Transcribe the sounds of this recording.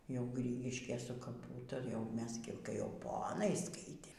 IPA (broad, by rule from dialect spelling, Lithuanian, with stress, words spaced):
jɛʊ ˈɡrʲiːɡʲɪʃʲkʲeːj sʊ kɐˈpuː tɐɪ jɛʊ ˈmʲɛs ɡʲɪ kɐɪ jɛʊ ˈpoːnɐɪ ˈskɐɪtʲeːm